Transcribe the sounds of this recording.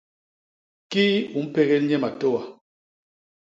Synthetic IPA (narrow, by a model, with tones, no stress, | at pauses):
ki˦u˨m̩˦pe˦ɣɛ˦lɲɛ˦ma˨to˦˨wa˨